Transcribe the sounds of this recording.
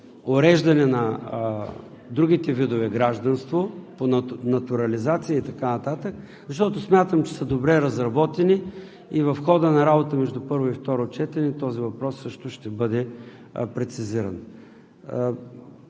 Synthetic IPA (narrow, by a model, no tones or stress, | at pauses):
oɾɛʒd̪ɐnɛnɐ | d̪ɾuɡ̟it̪ɛvid̪ʊvɛɡɾaʒd̪ɐnst̪voponnɐt̪uɾɐlizat̪sijəit̪ɐkanɐt̪at̪ək̚ | zɐʃt̪ɔt̪osmʲjat̪əmt͡ʃɛ̥səd̪obɾɛɾɐzɾɐbɔt̪ɛni | ivɐfxɔd̪ənɐɾabot̪əmɛʒd̪ʊpɤɾvʊift̪ɔɾʊt͡ʃɛt̪ɛnɛt̪ɔzivɐpɾɔsːɤʃt̪ʊʃt̪ɛbɤd̪ɛ | pɾɛt̪siziɾɐn